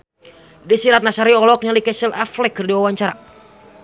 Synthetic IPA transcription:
disiɾat̪̚nasaɾiɔlɔk̚ɲalikɛsɛlaflɛkɨrdiwawaɲt͡ʃaɾa

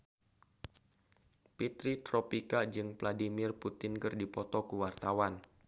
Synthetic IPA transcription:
pit̪ɾit̪ɾɔpikad͡ʒɨŋpladimɪrput̪ɪnkɨrdipɔt̪ɔkuwart̪awan

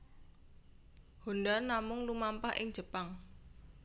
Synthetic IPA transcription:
ho̤ndanːamʊŋlumampa̰hʔɪ̰ŋ̥d͡ʒ̥ə̤paŋ

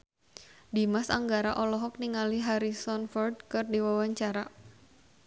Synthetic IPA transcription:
dimasa̰ŋɡaɾaʔɔlɔɦɔk̚niŋaliɦaɾisɔnfɔrd̚kɨrdiwawaɲt͡ʃaɾa

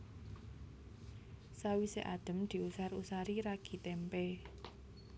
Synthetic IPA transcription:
sawiseʔad̪̥ə̤md̪̥i̤usarusaɾiɾaɡ̥i̤t̪ɛmpe

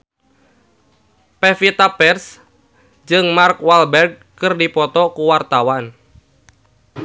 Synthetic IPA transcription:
pɛfit̪apɛrs | d͡ʒɨŋmarkwalbɛrɡ̚ | kɨrdipɔt̪ɔkuwart̪awan

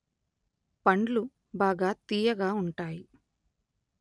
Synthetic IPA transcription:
pɐɳɖlu | baːɡaːt̪iːjɐɡaːuɳʈaːji

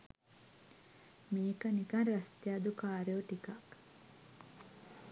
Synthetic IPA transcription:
meːkɐnikɐnrɐst̪jaːd̪ukaːɾeoʈikak

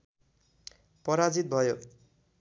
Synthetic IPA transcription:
pʌɾad͡zit̪̚bʱʌjo

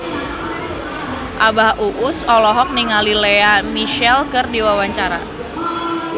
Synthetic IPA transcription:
ʔabahʔuʔʊsɔlɔɦɔk̚niŋalileamiʃɛlkɨrdiwawaɲt͡ʃaɾa̰

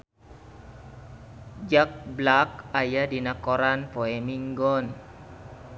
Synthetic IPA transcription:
d͡ʒak̚blak̚ajadinakoɾanpoemiŋɡɔn

